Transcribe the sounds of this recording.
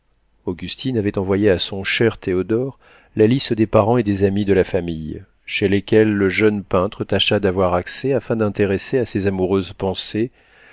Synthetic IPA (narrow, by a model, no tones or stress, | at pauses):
oɡʲyst̪inavɛt̪ɑ̃vwajeasɔ̃ʃɛʁt̪ʰeɔd̪ɔʁ | lalist̪əd̪epaʁɑ̃ed̪ezamid̪əlafamij | ʃelekʲɛlːəʒœnpɛ̃t̪χət̪aʃad̪avwaʁaksɛafɛ̃d̪ɛ̃t̪eʁeseasezamuʁøzpɑ̃se